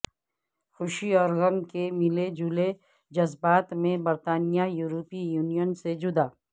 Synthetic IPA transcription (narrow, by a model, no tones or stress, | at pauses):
xʊʃiɔːɾɣɐmkemɪled͡ʒule | d͡ʒɐzbaːt̪mẽbɐɾt̪aːnijajuːɾoːpijuːnijənsed͡ʒʊd̪aː